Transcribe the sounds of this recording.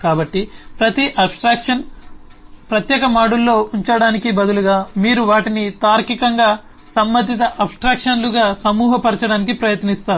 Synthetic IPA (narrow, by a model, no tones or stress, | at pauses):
kaːbɐʈːipɾɐt̪iʔɐbsʈɾaːkʂɐn | pɾɐt̪jɛːkɐmaːɽulːo̞ːuɲt͡ʃɐɽaːnikibɐd̪uluɡaːmiːɾuʋaːʈinit̪aːɾkikɐŋɡaː | sɐmːɐd̪ʱit̪̬ɐʔɐbsʈɾaːkʂɐnluɡaːsɐmuːɦɐpɐɾt͡ʃɐɽaːnikipɾɐjɐt̪nist̪aːɾu